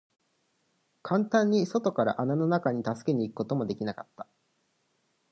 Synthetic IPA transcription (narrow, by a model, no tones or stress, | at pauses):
kʰãnt̪ãɲ̟ːiso̞t̪o̞kaɾa̰ʔanano̞nakaɲ̟it̪asɨ̥ke̞ɲ̟iːkɯ̟̥ko̞t̪o̞mo̞d̪e̞kʲinakat̪ːḁ